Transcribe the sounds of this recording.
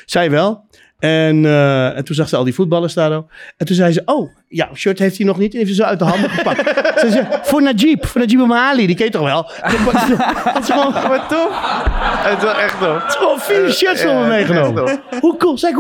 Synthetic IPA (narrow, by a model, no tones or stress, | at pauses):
sɛjəʋɛlˠ | ɛnntunzaxsəɔ̰lˠdifut̚bɑlˠəstaːdoːɛntunsɛjsəʔoː | jaʃøtheftinɔxnitɛneːftsəs̬oːœɥt̚dəɦɑndəəpasɛzəfonad͡ʒipfoːnad͡ʒipəmaːlidikɪjətɔxʋɛlˠ | to | ɔsəonɔtof | tlɛxtoftsəʋonfiʃøtsolˠəmejχənomə | hukulˠsɛj